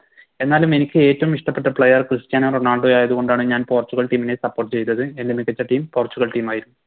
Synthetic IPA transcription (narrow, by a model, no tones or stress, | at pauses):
e̞nːaːlume̞nikʲːɨe̞ːtːɐʋumiʂʈɐpːe̞ʈːɐpɭɐjɐrkrɨɕtjaːnɐroɳaːɭɖujaːjɐðuɣo̞ɳɖaːɳɨɲaːnpo̞ːrt͡ɕːuɣɐɭʈiːmine̞sɐpːorʈːɨt͡ɕe̞jt̪ːɐðɨe̞ndemikːɐt͡ɕːɐʈiːmpoːrt͡ɕːuɣɐɭʈiːmaːjiɾunːuu